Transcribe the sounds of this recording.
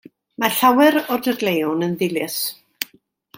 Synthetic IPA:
maɬawɛɾɔdəɡlejʊnənðɪlɪs

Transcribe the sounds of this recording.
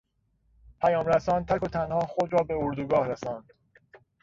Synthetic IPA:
pʰæjɒːmɾæsɒːnt̪ʰækot̪ʰænhɒːxod̪ɾɒːbe̞oɾd̪uɡɒːhɾesɒːnd̪̥

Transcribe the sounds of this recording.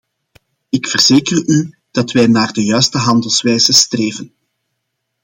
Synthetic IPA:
ɪkfərzeːkəry | d̥ɑtʋɛjnaːrdəjœːɥstəɦɑndəlˠsʋɛːjzəstreːvən

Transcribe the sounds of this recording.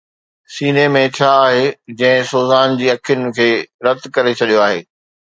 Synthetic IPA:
siːnemẽt͡ɕʰaːɦeːd͡ʑɐ̃ɦɪ̃soːzaːnd͡ʑiːɐkʰjʊnɪ̆kʰeːɾɐt̪kɐɾet͡ɕʰɐɗijoaːɦḛː

